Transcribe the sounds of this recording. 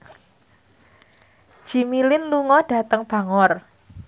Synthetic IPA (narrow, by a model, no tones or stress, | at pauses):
ʒ̥i̤milɪnluŋɔɖ̥a̤t̪əŋb̥a̤ŋɔr